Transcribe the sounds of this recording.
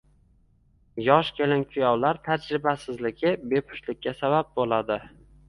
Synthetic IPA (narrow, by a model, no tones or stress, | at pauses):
jɒʃkʲʰelɪnkʲʰʊjɒwlaɾt̪ʰad͡ʒɾɪbasɪzlɪɡʲɪbepʰʊ̥ʃlɪkʲːasabap̚bolˠad̪ɪ